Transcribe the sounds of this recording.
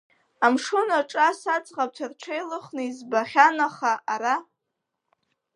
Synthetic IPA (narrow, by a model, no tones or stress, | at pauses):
amʂʊnaʈ͡ʂʼasat͡sʼʁap̚tʷʰarʈ͡ʂʰejlɨχnɨizbaχʲanaχaʔaɾa